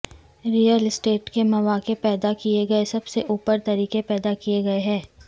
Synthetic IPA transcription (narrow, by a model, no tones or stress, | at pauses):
ɾijəlɪsʈeːʈkemɐʋaːkepɛːd̪akieɡɐesɐbseʔuːpəɾt̪ɐɾiːkepɛːd̪akijeɡɐeɦɛ̃ː